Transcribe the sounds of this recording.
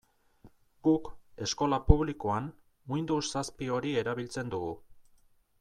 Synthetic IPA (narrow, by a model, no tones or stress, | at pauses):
ɡ̥uke̞sko̞lapuβ̞likoan | mujnd̪ussaspio̞ɾie̞ɾaβilt͡se̞nd̪uɣu